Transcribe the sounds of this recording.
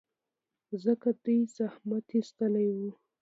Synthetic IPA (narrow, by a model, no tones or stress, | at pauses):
zəkad̪ujzahmat̪ist̪əlajwu